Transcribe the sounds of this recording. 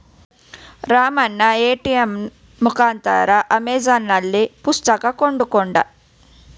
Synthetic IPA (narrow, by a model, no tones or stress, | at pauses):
ɾaːmɐnːɐeːʈiemː | ukaːnt̪ɐ̰ɾaʔɐmɛːd͡ʒaːnːɐlːipust̪ɐkɐkoɳɖukɔɳɖɐ̰